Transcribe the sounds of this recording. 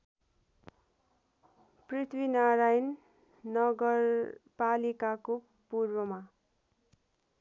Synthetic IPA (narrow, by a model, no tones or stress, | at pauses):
prit̪ʰwinaɾajnː | ʌɡʌrpalikako | purwʌma